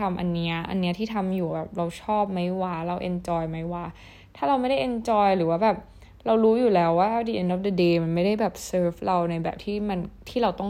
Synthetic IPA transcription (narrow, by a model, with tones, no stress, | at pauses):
a˧mʔa̰˧nːi˦˥ɐʔa̰˧nːi˦˥ɐt̪ʰiː˥˩t̪ʰa˧mjuː˨˩bɛː˨˩p̚ɾa˧wt͡ɕʰɔː˥˩p̚ma˦˥jwaː˧˩ɾa˧wʔe˧nt͡ɕɔː˧jma˦˥jwaː˧ | t̪ʰaː˥˩ɾa˧wma˥˩jda˥˩jʔe˧nt͡ɕɔː˧jɾɯː˩˦waː˥bɛː˨˩p̚ | ɾa˧wɾuː˦˥juː˨˩lɛː˦˥wːaː˥˩ʔdi˧ʔe˧ndɔ˧˩fdə˧deː˧ma˧nma˥˩jda˥˩jbɛː˨˩p̚sɤː˦˥fɾa˧wna˧jbɛ̰ː˨˩p̚t̪ʰiː˥˩ma˧nt̪ʰiː˥˩ɾa˧wt̪ɔ˥˩ŋ